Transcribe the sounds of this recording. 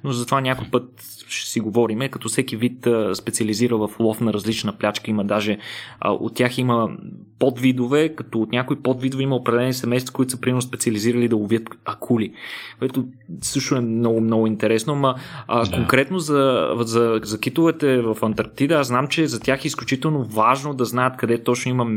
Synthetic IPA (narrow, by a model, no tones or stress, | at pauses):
nozɐt̪ovanʲakoipɤt̪̚ | ʃɛ̥siɡovɔɾimɛkɐt̪ɔsɛkivit̪əspɛt̪siɐliziɾəvɐflˠɔfnɐɾɐzlit͡ʃnəplʲat͡ʃkəiməd̪aʒɛə̰ʔo̰t̪ːʲjaximə | pɔd̪vid̪ovɛkɐt̪ɔot̪nʲakoipɔd̪vid̪ovɛiməopɾɐd̪ɛlɛnisɛmɛjst̪vəkoit̪ʊ̥səpɾimɛnʊspɛt̪siɐliziɾəlid̪ɐʊviət̪ɐkʰulikoɛt̪osɤʃt̪oɛnɔɡʊmnɔɡʊint̪ɛɾɛsnoamɐkoŋkɾɛt̪nozɐzɐzɐkit̪ʊvɛt̪ɛvɐfɐnt̪ɐɾk̚t̪id̪əasznamt͡ʃɛzɐt̪ʲjaxɛisklʲut͡ʃit̪ɛlˠnovaʒnod̪ɐznajət̪kɐd̪ɛt̪ɔt͡ʃnoimə